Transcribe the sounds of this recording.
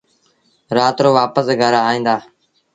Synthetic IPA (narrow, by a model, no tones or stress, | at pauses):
ɾaːt̪ɾoːʋaːpəsɡʱəɾaːɦĩːnd̪aː